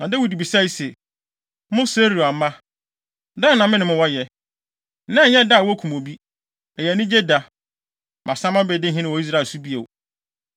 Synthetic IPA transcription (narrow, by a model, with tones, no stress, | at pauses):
nã˨de˦wi˨di˨bi˨sa˦i˦sɛ˨˦ | mʊ̃˦se˦ɾi˨a˨mã˦ | da˦˨nã˨mɪ̃˦nɪ̃˨˦mʊ̃˦wɔ˦jɛ˨˦ | nã˦˨˦ɲɛ̃˦da˦˨wɔ˦kʰũ˨mõ˨bi˦ | ɛ˨jɛ˨nɪ̃˦d͡ʑe˦da˨ | mʔã˨sã˦mã˦be˨dɪ˦ɦɪ̃˦nɪ̃˦wɔ˨i˦s̬ɾa˦˨su˦bi˦e˨